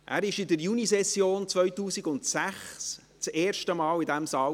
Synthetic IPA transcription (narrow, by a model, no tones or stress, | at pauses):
ʔæ̰ːɾɪʃɪdəɾjunisɛsjoːnt͡svœɥtuːsiɡʊntsæχs | t͡seːɾʃtəmɑːlidæmsɑː